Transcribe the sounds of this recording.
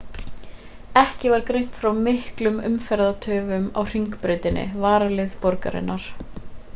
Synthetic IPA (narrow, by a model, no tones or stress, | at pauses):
ɛhcɪvaɾkɾejn̥t̪fɾawmɪhklʏmʏmfɛɾðat̪ʰœːvʏma̰wr̥iŋkpɾʏːɥt̪ɪnʔɪ̰vaːɾalɪðpɔɾka̰ɾɪ̰nːaɾ̥